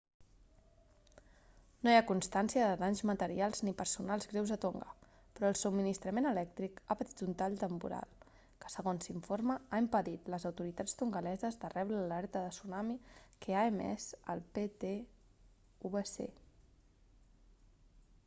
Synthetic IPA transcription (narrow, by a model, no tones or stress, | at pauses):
nojakunst̪ansiəðəðaɲzmət̪əɾialˠznipəɾsunalˠzɣɾewzət̪oŋɡə̰ | pɾɔːlˠsubminist̪ɾəmenəlɛk̚t̪ɾikapət̪it̪unt̪aʎt̪əmpṵɾa̰lˠ | kə̥səɣonsiɱfoɾməaimpəðit̪ləzəwt̪uɾit̪at͡st̪uŋɡəlɛzəzðərɛβɾəllɛɾt̪əðəsunamikeaemɛ̰sə̰lˠpet̪e | uβesḛ